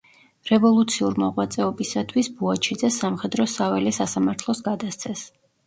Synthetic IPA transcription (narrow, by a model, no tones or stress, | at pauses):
ɾɛvɔlˠut̪sʰiuɾmɔʁwat̪sʼɛɔbisat̪ʰwisbuat͡ʃʰid̪zɛsamχɛd̪ɾɔsavɛlɛsasamaɾt̪ʰlˠɔsɡad̪ast̪sʰɛs